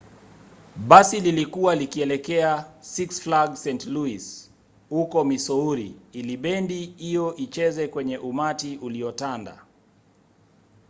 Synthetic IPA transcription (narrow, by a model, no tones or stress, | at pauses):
ɓasililikuwalikiɛlɛkɛasiksflaɡsɛntluis | hukɔmisɔuɾiiliɓɛndiijɔʔit͡ʃɛzɛkwɛɲɛʔumatiʔuliɔtanda̰